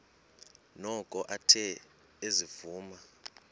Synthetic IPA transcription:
nɔkʼɔʔatʰɛ | ezivuːma

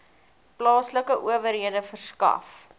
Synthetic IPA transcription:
plɑːsləkəʔuəvəɾɦiədəfərskɐ̰f

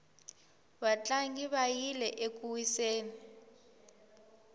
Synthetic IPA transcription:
βat͡ɬʼaŋɡiβajilɛʔek̬ʼuwiseːni

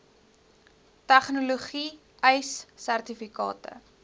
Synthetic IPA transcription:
tæχnuluχi | ɛjsːærtifikɑ̰ːtə̰

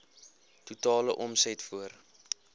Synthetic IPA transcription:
tutɑːləʔɔmsɛtfuər

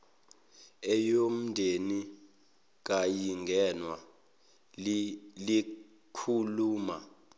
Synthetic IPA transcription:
ɛjom̩ndʱeni | k̬ajiŋɡʱɛnwa | li | kʰuluːma

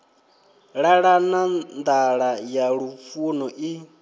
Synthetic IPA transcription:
ɺaɺanand̪aɺajaɺupfunɔʔi

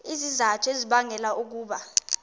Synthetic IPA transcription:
izizatʰeziɓaŋɛlaʔuk̬uːɓa

